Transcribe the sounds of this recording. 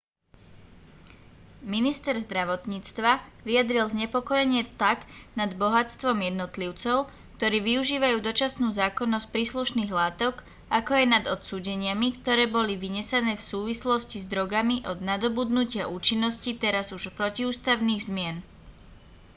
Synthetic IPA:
minist̪ɛɾzd̪ɾaʋɔt̪ɲiːt͡st̪ʋaʋijad̪ɾilzɲɛpɔkɔjɛɲɪɛt̪aɡnad̪bɔɦat͡st̪ʋɔmjɛd̪nɔt̪liʊt͡sɔʊ | kt̪ɔɾiːʋiuʒiːʋajuːd̪ɔt͡ʃasnuːzaːkɔnːɔsc̚pɾiːsluʃniːɣlaːt̪ɔk | akɔjajnad̪ɔt̪suːɟɛɲɪamikt̪ɔɾɛːbɔliʋiɲɛsanɛːfsuːʋislɔscizd̪ɾɔɡamiʔɔd̪nad̪ɔbud̪nucɪaʔuːt͡ʃinːɔscit̪ɛɾazuʃpɾɔciuːst̪aʊniːɣzmɪɛn

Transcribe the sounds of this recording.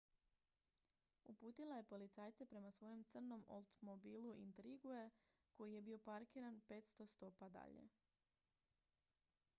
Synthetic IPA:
upuːt̪ilˠaje̞po̞lit̪saːjt̪sepɾe̞masʋo̞je̞mt̪sɨr̩no̞mo̰lˠt̪omobiːluʔḭnt̪ɾiɡue | ko̞jije̞bio̞paɾkiːɾanpe̞t̪st̪o̞st̪o̞ːpad̪a̰ʎe̞̰

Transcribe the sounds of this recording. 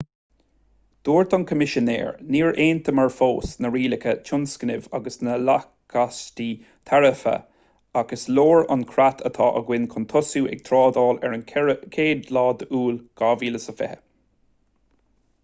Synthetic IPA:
d̪̥oːɹt̪ʰankʰəmɪʃənḛːɹniːɹʔeːnt̪ʰəməɹfoːsnəɹiːlɪkʰət͡ʃʰʊnskənɪvaɡəsnəla | kʰast̪i | t̪ʰaɹəfə̰ | aɡ̥əsloːɹa̰nkʰɾat̪ʰət̪ʰɑ̰ːʔə̰ɡwɪnkʰʊnt̪ʰɔsuːʔɛ̰ɡ̥̚t̪ʰɾɑːd̪ɑːlɛɹənkʰeːd̪lɑːd̪əʔuːlɡ̥ɑːviːləsəfɛ̰hə

